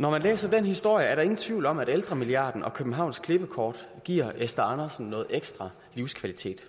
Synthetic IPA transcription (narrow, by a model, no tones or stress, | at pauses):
nɒmænlḛːsɐd̥enhisd̥o̝ɐ̰jəæɐɾɑ̈e̝ŋn̩t͡sʰʋiʊ̰lɒ̽mæɾ̥eld̥ʁɐmiliɑ̰̈ːd̥n̩ʔɒ̽kʰøb̥n̩ɦɑ̈ʊ̰nskʰle̝b̥əkʰɒːd̥ | ɡ̥ḭɐ̰esd̥ɐɑ̈nɐsn̩nɔ̽ːð̩ˠeɡ̥sd̥ʁɑ̈ | liʊskʰʋælit͡sʰe̝̰ːd̥